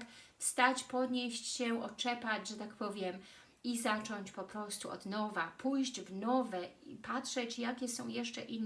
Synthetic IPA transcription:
kfst̪at͡ɕpɔd̪ɲeɕt͡ɕɕɛʔɔt͡ʂɛpad͡ʑʐɛt̪akpɔvʲjɛm | izat͡ʂɔɲt͡ɕpɔpɾɔst̪uɔ̰d̪nɔvapʰujʑd͡ʑvnɔvɛipatʂɛt͡ɕjakʲɛsɔ̃w̃jɛʂt͡ʂɛ̰ʔinː

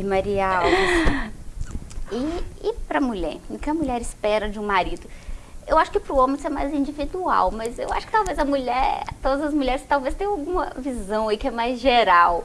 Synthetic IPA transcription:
ɪmɐɾiaw | ɪːpɾɐmuʎɛ̰ɾnʊ̃kɪɐmuʎɛɾɪspɛɾɐd͡ʒɪũmaɾid̪ʊewaʃʊ̥kɪpɾʊõmẽsemajzĩd͡ʒivid̪ua̰wmɐzḛwa̰ʃʊ̥kɪt̪awvezɐmuʎɛɾt̪od̪ɐzɐzmuʎɛɾɪst̪awvest̪ẽj̃awɡũmɐ̰vizɐ̃w̃ɐikɪɛmajzʒeɾaw

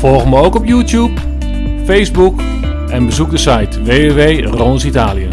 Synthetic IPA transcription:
fɔlˠɣməowkɔpjuːtjup | fejzbuk | ɛnbəzuk̚dəsajtʋeːʋeʋej | roːnsitaːlijən

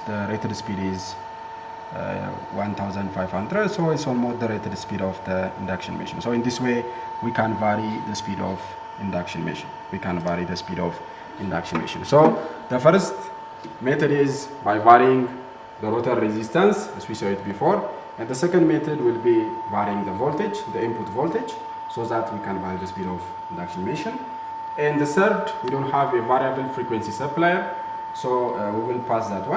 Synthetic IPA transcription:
d̪əɾet̪ʰədspidiz | wãnt̪ʰawzə̃ndfajvhãnd̪ɾədsoit̪solmosd̪əɾet̪ʰədspidɔfd̪əɪ̰̃ndakʃənmɪ̰ʃənsoɪ̃nd̪iswe | wikʰãnvaɾiðəspidɔ̰v | ɪ̃ndakʃənmɪ̰ʃənwikʰãnvaɾiðəspidɔv | ɪ̃ndakʃənmḛʃə̰nsoðəfəɾst̪ | mɛt̪ədizbajvaɾiĩŋ | ðəɾot̪ʰəɾɛzist̪ə̃nsɛzwisoɪt̪̚bifoɾ | ɛ̃nd̪ðəsɛkə̃ndmɛt̪ʰədwilbivaɾiĩŋðəvolt̪ed͡ʒðəĩmput̪volt̪ed͡ʒ | soðat̪ʰwikʰãnvaɾiðəspidɔv | ɪ̃ndakʃənmeʃə̃n | ɛ̃nðəθəɾd̪widõnthavevaɾiəbəlfɾikwɛ̃nsisəplajə | sowiwilpʰasðat̪wa

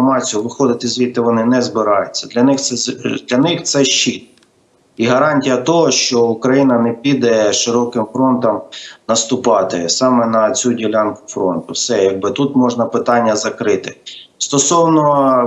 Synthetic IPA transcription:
mɑt͡sʲijʊʋɪxɔd̪ɪt̪ɪzʲʋʲit̪ːɪʋɔnɪnɛzbɪɾɑjʊt͡sʲːɐd̪lʲɐnɪxɛd̪lʲɐnɪxt̪sɛʃt͡ʃit̪̚ | iɦɐɾɑnʲtʲijɐt̪ɔɦɔʃt͡ʃɔukɾɐjinɐnɛpʲid̪ɛʃɪɾɔkɪmfɾɔnt̪ɔmnɐst̪ʊpɑt̪ɪsɑmɛnɐt͡sʲudʲilʲɑnkʊ̥fɾɔnt̪ʊwsɛjɐɡ̚bɪt̪ut̪mɔʒnɐpɪt̪ɑnʲːɐzɐkɾɪt̪ɪst̪ɔsɔwnɔ

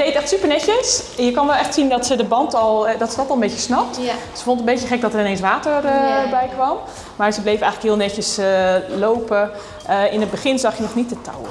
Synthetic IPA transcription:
d̥ejtɛxtsypəɹnɛcəsjəkɑnʋɛlˠɛxtsindɔtsədəbɑntɔlˠdɔtsədɔtɔlˠəmbejcəsnɑp̚t | sə̥fõntətən̩mbejəχɛk̚dɔtərɪnejnsʋaːtərəbɛjkʋɑm | maːɹzəblejfəɛjxələkɦiːlˠnɛcəslowpə | ɪnəd̚bəχɪnzɑχjənɔχnitətʰa̰w

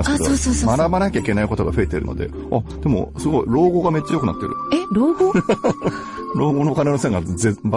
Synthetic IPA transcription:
sakːeooːsoːomaɾabanakʲaikʲe̞naiko̞t̪o̞ɡaɸɯ̟e̞t̪eɾɯ̟no̞̰d̪e̞̰ | ad̪̥e̞mo̰sɨɡo̞iɾo̞ːɡo̞ːɡame̞t͡ɕːajo̞kɯ̟na̰t̪ːḛɾɯ̟̰eɾoːɡo | ɾo̞ːɡonoːkane̞nosẽŋɡazeba

